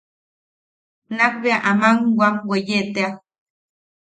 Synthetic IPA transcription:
nakbeaʔamaŋwamwejet̪ea

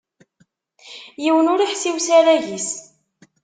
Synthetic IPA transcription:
jiwənʊɾiħsiwsaɾæʝis

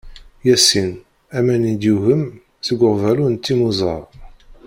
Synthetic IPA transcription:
jæsin | æmænid̪juɣəm | səɡʷːəʁvælunt̪ːimuzˤə̰ɾˤ

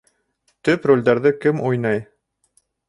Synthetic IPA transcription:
t̪ɵprolʲd̪æɾðɘkɘmujnɑj

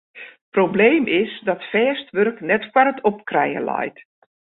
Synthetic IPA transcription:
probleːmʔɪsdɔtfɛːstʋørknɛtkwarətʰɔp̚krɛ̰jə̰lɔ̰jt

